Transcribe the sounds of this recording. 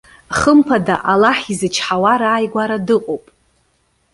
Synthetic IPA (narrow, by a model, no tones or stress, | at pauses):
χəmpʰada̰ʔalaħizɨt͡ʃʰħawaɾaːjɡʷaɾadɨqʷʼowpʼ